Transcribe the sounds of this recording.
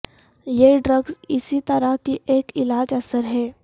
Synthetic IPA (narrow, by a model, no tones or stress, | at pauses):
jeɖɾəɡzɪsit̪əɾəkiʔeːkɪlaːd͡ʒɐsəɾɦɛː